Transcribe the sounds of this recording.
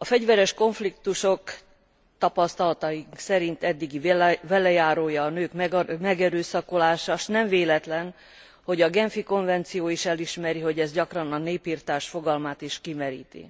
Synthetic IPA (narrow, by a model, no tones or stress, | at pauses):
ɒfɛɟʋvɛɾɛʃko̞ɱflikt̪uʃo̞k | t̪ɒpɒst̪ɒlɒt̪ɒiŋksɛɾint̪ɛd̪ːiɡibɛlɛjaːɾoːjɒːnøːkmɛmɛɡɛɾøːsɒkolaːʃaʃnɛɱveːlɛt̪lɛn | ho̞ɟɒɡɛnfiko̞ɱvɛnt̪sijoːiʃɛliʃmɛɾiɦo̞ɟɛzɟɒkrɒnɒneːpiːrt̪aːʃfo̞ɡɒlmaːt̪iʃkimɛɾḭːt̪ḭ